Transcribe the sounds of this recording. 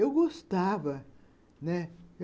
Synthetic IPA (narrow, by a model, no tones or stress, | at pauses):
ewɡost̪avɐ | nɛe